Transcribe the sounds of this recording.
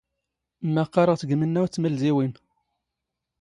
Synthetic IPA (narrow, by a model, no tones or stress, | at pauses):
mːæqːɑɾˤəʁt͡sɡəmənːæwæt͡sːməlziwin